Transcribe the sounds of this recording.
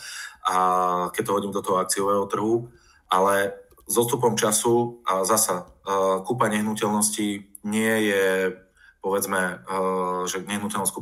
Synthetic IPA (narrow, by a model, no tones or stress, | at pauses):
akɛc̚t̪ɔɦɔɟiːmd̪ɔt̪ɔɦɔak̚t͡siɔʋɛːɦɔt̪r̩ɦu | ʔalɛ | zɔst̪upɔmt͡ʃasuʔazasakuːpaɲɛɦnucɛlnɔsci | ɲɪɛjɛ | pɔʋɛd͡zmɛ | ʒɛɲɛɦnucɛlnɔsku